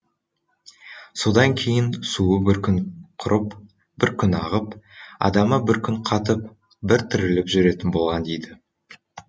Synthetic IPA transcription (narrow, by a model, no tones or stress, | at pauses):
so̞d̪ɑŋkʲʰe̞jɪnsuəbɪɾkʲʰʏnqʰʊɾʔəp | bɪɾkʲʰʏnɑ̰ʁəpɑ̰d̪ɑməbɪɾkʲʰʏɴqʰɑt̪əp̚ | bɪɾt̪ʰʏɾɪlɪpʒʏɾe̞t̪ɪnbo̞lˠʁɑnd̪ejd̪ɪ